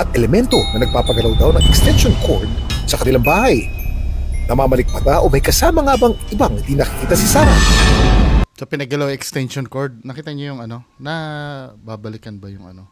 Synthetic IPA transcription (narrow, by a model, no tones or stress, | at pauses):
ʔɐt̪ʔɛlɛmɛnt̪o̞nɐnɐɡ̚paːpɐɡɐlawd̪awnɐŋʔɛkst̪ɛnʃonkʰoɹd̪̚sɐkɐnɪlaŋbaːhɐj | nɐmaːmɐlɪk̚pɐt̪aʔo̞mɐjkɐsaːmɐŋabɐŋʔɪbaŋhɪnd̪inɐkɪ̥kiːt̪ɐsɪsaːɾɐ̰ | sɐpɪnɐɡɐlawɛkst̪ɛnʃonkoɹd̪̚nɐkiːt̪ɐɲojʊŋɐno̞nɐbabɐlɪkɐnbɐjʊŋɐno